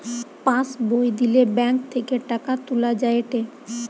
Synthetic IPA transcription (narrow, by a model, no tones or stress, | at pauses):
pãsbojd̪ilebɛŋk̚t̪ʰekeʈakat̪ulad͡ʑaeʈe